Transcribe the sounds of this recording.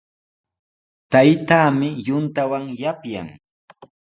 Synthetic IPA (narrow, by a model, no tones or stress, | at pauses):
t̪ajt̪aːmɪjʊnt̪awaŋjapja̰ŋ